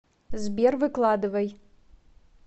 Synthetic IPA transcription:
zbervɨkʰʼlˠadɨvɐj

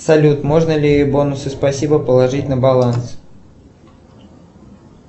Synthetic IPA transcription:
sɐlʲut̪mo̞ʐnəlʲɪjjobo̞nʊsɨspɐsʲibəpəlˠɐʐɨtʲnəbɐlˠans

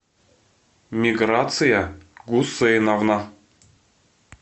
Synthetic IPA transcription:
mʲiɡɾat̪sɨjaɡusːɨjnavna

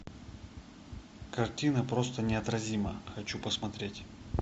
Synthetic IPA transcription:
kɐrtʲinəpɾost̪ənʲɪɐt̪ɾɐzʲiməxɐt͡ɕupəsmɐt̪ɾʲetʲ

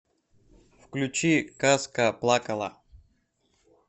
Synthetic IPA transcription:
fklʲʉt͡ɕikaskəplˠakɐlˠa̰

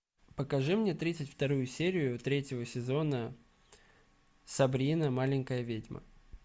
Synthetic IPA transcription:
pəkɐʐɨmnʲe̞t̪ɾʲit̪sɨtʲft̪ɐɾujʊsʲeɾʲɪjʊt̪ɾʲetʲɪvəsʲɪzo̞nə | sɐbɾʲinəmalʲɪŋʲkəjəvʲedʲmə̰

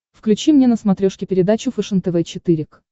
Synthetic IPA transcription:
fklʲʉt͡ɕimnʲenəsmɐt̪ɾʲoʂkʲɪpʲɪɾʲɪd̪at͡ɕʊfɨʂɨnt̪ɛvɛt͡ɕɪt̪ɨɾʲɪk

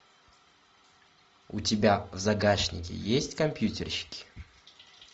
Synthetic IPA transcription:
ʊtʲɪbʲavzɐɡaʂnʲɪ̰kʲɪ̰jesʲtʲkɐmpʲjutʲɪrɕɪ̥kʲɪ̥

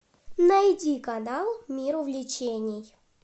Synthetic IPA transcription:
nɐjdʲikɐnalˠmʲiɾʊvlʲɪt͡ɕenʲɪj

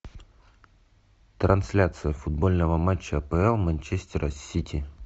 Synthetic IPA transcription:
t̪ɾɐnsʲlʲat̪sɨjəfʊd̪̚bolʲnəvəmat͡ɕːəpəɛlˠmənʲt͡ɕesʲtʲɪɾʔəsʲitʲi

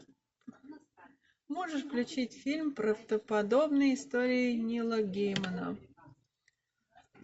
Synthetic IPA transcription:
moʐɨʂfklʲʉt͡ɕitʲfʲilʲmpɾəvd̪̥əpɐd̪o̞bnəjɪst̪oɾʲɪɪnʲilˠəɡʲejmənə̰

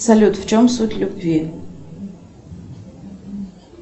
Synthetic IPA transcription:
sɐlʲut̪ft͡ʃʰomsutʲlʲubvʲi

